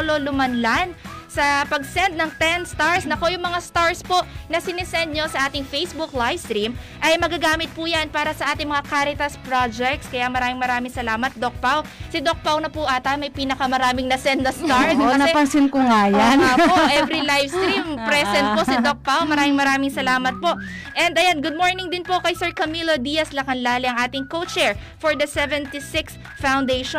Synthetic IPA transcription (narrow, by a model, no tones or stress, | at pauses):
ololʊmanlansɐpɐɡ̚sɛnd̪̚nɐŋt̪ɛnst̪aɹsnɐko̞jʊŋmɐŋast̪aɹspo̞ʔnɐsɪnɪsɛnd̪̚ɲo̞sɐʔaːt̪ɪŋfejsbʊklajfst̪ɾim | ʔɐjmɐɡaɡaːmɪt̪̚pujanpaːɾɐsɐʔaːt̪ɪŋmɐŋakaɾɪt̪ɐspɾad͡ʒɛk̚t̪skɐjamɐɾaːmɪŋmɐɾaːmɪŋsɐlaːmɐt̪̚d̪ok̚pawsɪd̪ok̚pawnɐpʊʔaːt̪ɐmɐjpiːnɐkɐmɐɾaːmɪŋnɐsɛnɐst̪aɹonɐpɐŋsɪnkʊŋajanapoʔɛvɾilajfst̪ɾimpɾɛsɛnt̪̚posɪd̪ok̚pawmɐɾaːmɪŋmɐɾaːmɪŋsɐlaːmɐt̪̚po̞ʔ | ʔɛnd̪ɐjanɡʊd̪̚moɹnɪŋd̪ɪnpo̞kɐjsɛɹkɐmilod̪ijɐslɐkɐnlaːlɪɐŋʔaːt̪ɪŋkowt͡ʃɛɹ | fɔɹd̪ɐsɛvɛnt̪isɪks | fawnd̪ejʃɔ